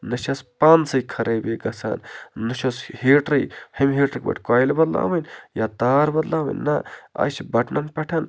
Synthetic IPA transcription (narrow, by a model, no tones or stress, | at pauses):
nɨʃɐspaːnsɐkʰɐɾeːbeɡɐsa̰ːnnɨʃʰosheːʈɾɐjhɐmɦeːʈɾɨkbɐ̰ʈʰʲkaːjlbɐd̪la̰ːʋɐnjaːt̪aːɾbɐd̪laːʋɐ̰nːɐa̰jt͡ʃʰbɐʈʰnɐmpʲɛʈʰɐn